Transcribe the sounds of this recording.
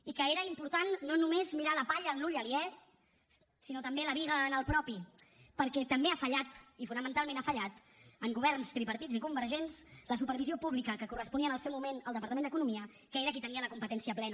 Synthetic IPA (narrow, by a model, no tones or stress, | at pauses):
ikəeɾəimpuɾt̪anːonumezmiɾaləpaʎəːnluʎəliɛ | sinot̪əmbeləβiɣənəlˠpɾɔpi | pəɾkɛt̪əmbeafəʎat̪ifunəmənt̪alˠmẽnafəʎat̪ | əŋɡuβɛɾnst̪ɾipəɾt̪id͡zikumbəɾʒensləs̬upəɾβiziopuβlikəkəkurəspuniənəlˠsɛwmumenəlˠd̪əpɾt̪əmend̪ək̬unumiə | kəeɾəkit̪əniələkumpət̪ɛnsiəplɛn